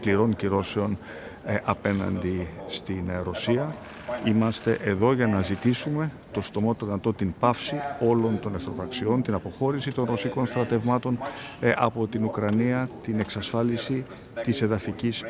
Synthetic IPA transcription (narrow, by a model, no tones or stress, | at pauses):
kliɾo̞nciɾo̞se̞o̞n | ʔɐpe̞nɐ̰nd̪ist̪inɾo̞siɐ | imɐst̪e̞ʔeðo̞ʝɐnɐzit̪isume̞ | t̪o̞st̪o̞mot̪oðinɐt̪o̞t̪impɐfsio̞lo̞nt̪o̞nɐθɾo̞pɾɐksio̞nt̪inɐpo̞xo̞ɾisit̪o̞nɾo̞siko̞nst̪ɾɐt̪e̞vmɐt̪o̞nʔɐpo̞t̪inukɾɐniɐt̪ine̞ksɐsfɐlisi | t̪ise̞ðɐficis